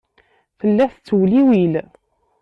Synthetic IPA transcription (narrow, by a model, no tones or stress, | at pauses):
fəlːæθt͡sːwliwil